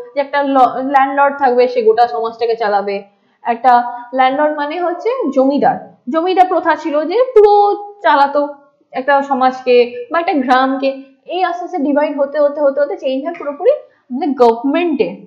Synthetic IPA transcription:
d͡ʑɛk̚ʈalɔlɛɳɖlɔɖ̚t̪ʰakbeʃeɡoʈaʃɔmad͡ʑʈʰaket͡ɕalabe | ɛk̚ʈalɛɳɖlɔɖmaneɦotːɕʰed͡ʑomid̪a̰ɾ | d͡ʑomid̪aɾpɾot̪ʰat͡ɕʰilod͡ʑepuɾot͡ɕalat̪o | ɛk̚ʈaʃɔmad͡ʑkebaɛk̚ʈaɡɾamke | ejasaseɖibʱajɖɦot̪eɦot̪eɦot̪eɦot̪et͡ɕejnd͡ʑʱaɾpuɾopuɾi | neɡɔbʱɾmeɳʈe

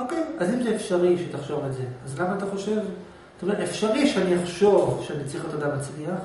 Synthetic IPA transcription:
okejazimzeːfʃaʁiʃet̪aχʃo̞vetzeazlamaːt̪aχo̞ʃe̞v | t̪omeefʃaʁiʃeaniaχʃo̞vʃeanit͡siχatadamat͡sliaχ

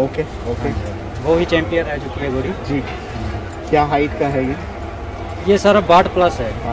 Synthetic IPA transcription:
oːke | oke | ʋoɦit͡ʃɛ̃ːmpijə̃nɾɐɦet͡ʃʊkiɦɛboɽid͡ʒiː | kjaːɦaːɪt̪kaɦɛjeː | jesaːɾabaːʈplɐsɦɛ̃ː

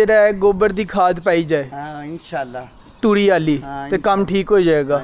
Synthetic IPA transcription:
eɾaːɡoːbəɾd̪iːkʰaːd̪paːiːd͡ʒaːeː | l | t̪uːɽiːaːliːt̪eːkəmʈʰiːkɦoːiːd͡ʒaːeːɡaː

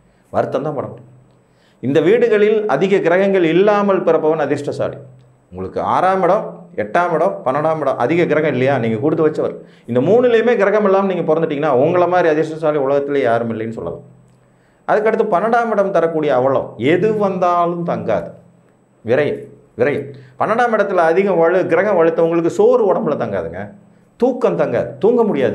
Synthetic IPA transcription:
ʋɐɾɯt̪ːɐmd̪ãːpɐɽɐmɐɾ | ɪnd̪ɐʋiːɽɯɣɐɭɪlɐðɪɣɐɡɪɾɐɣɐŋɡɐɭɪlːaːmɐlpɪɾɐpːɐʋɐnɐðɪɾʂʈɐsa̰ːlḭ | ʊŋɡɐɭɯkːɯa̰ːɾaːmɪɽɐ̃mɛʈːaːmɪɽɐ̃mpɐnːɐɽaːmɪɽɐ̰mʔɐ̰ðɪɣɐɡɪɾɐɣɐɪlːɐjaːniːŋɡɐkuːɽɯt̪ːɯʋɐt͡ʃːɐʋɐɾ̰ | ɪnd̪ɐmuːnɪlɐjɯmeːɡɪɾɐɣɐmɛlːaːmniːŋɡɐpɔɾɐnd̪ɯʈːiːŋɡɐnːaːʊɐŋɡɐɭɐmaːd̪ɾiɐðɪɾʂʈɐsaːɭiʊɭɐɣɐt̪ːɪlejaːɾɯmɪlːɐjɐnːɯsɔ̰lːɐ̰lã̰ː | ʔɐðɯkːɐʈːɯt̪ːɯpɐnːɐɽaːmɪɽɐmt̪ɐɾɐkːuːɽɪjɐːʋɐɭɐ̰̃ɛðɯʋɐnd̪aːlɯmt̪ɐŋɡa̰ːðɯ | ʋɪɾɐjɐ | ʋɪɾɐjɐpɐnːɐɽaːmɪɽɐt̪ːɪlɐːðɪɣɐ̃ʋɐɻɯɡɪɾɐɣɐ̃ʋɐɻɯt̪ːɐʊŋɡɐɭɯk̬ːɯsoːɾɯɔɽɐmbɯlɐt̪ɐŋɡa̰ːðɯŋɡɐ | t̪uːkːɐmt̪ɐŋɡa̰ːðɯt̪uːŋɡɐmʊɽɪjaːðɯ

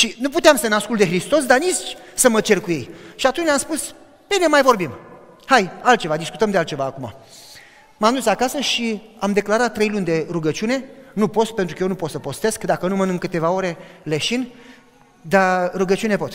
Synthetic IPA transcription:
ʃinuput̪eamsəneaskult̪d̪e̞xɾist̪o̞s̬d̪aniʃt͡ʃʲsəmət͡ʃe̞rkuje̞jʃiat̪unt͡ʃamspus | b̪enemajvo̞rbim | hajalt̪̚t͡ʃe̞vad̪isku̥t̪əmd̪ealt̪t͡ʃe̞vaːkuma̰ | mamd̪usakasəʃiamd̪e̞klaɾat̪ːɾe̞jlunʲd̪e̞ɾuɡət͡ʃiune̞nupo̞t̪spent̪ɾukəjenupo̞t̪səpo̞st̪e̞skd̪akənumənɨŋkɨt̪e̞vaoɾe̞leʃin | d̪aɾuɡət͡ʃiune̞po̞t̪

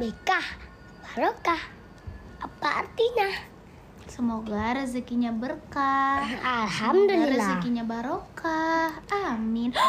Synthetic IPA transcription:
bekah | b̥aɾokah | apa̰ːrt̪iɲa | səmoɡaɾəzikiɲabərkaalɦamd̪əliɾəlzikiɲabaɾokahamɪn

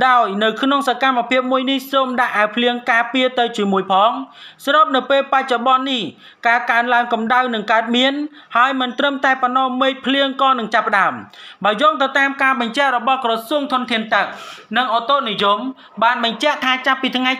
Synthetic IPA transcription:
ɗaɔjnɨwkʰnoŋsakamːapʰiəp̚muəjnihsoːmɗaʔːaəpʰliəŋkaːpiət̪ɨwt͡ɕiəmuəjpʰɑːŋsroːp̚nɨwpeːlpac̚t͡ɕoɓɑnːih | kaːəkaənlaəŋkɑmɗawnɨŋkaət̪̚miən | haəjmɨnt̪rəmt̪aɛpɔnːɔmeːc̚pʰliəŋkɑːnɨŋt͡ɕapːə̆ɗaəmɓaəjɔːŋt̪ɨwt̪aːmkaːɓɑɲt͡ɕɛ̆ʔrɔɓɑhkrɔsuəŋt̪ʰʊ̆ənt̪ʰiənt̪ɨk̚nɨŋʔot̪oʔnijum | ɓaːnɓɑɲt͡ɕɛ̆əʔt̪ʰaːt͡ɕapːiːt̪ʰŋaj

